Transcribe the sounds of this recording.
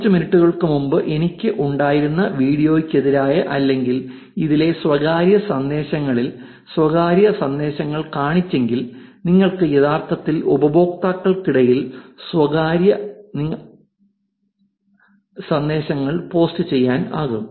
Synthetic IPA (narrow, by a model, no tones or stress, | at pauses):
t͡ɕːɨminiʈːuɣɐɭkɨmumbɨʔe̞nikʲːɨʔuɳɖaːjiɾunːɐʋiːɽijo̞ːikʲːɐðiɾaːjɐʔɐlːe̞ŋɡil | iðile̞swɐɣaːɾjɐsɐnd̪e̞ːɕɐŋːɐɭil | swɐɣaːɾjɐsɐnd̪e̞ːɕɐŋːɐɭkaːɳit͡ɕːe̞ŋɡilniŋːɐɭkɨeðaːrt̪ɐt̪ːilubɐbo̞ːk̚t̪aːkːɐɭkiɽɐjilswɐɣaːɾjɐniŋː | sɐnd̪e̞ːɕɐŋːɐɭpo̞ːstɨt͡ɕe̞jːaːna̰ːɣum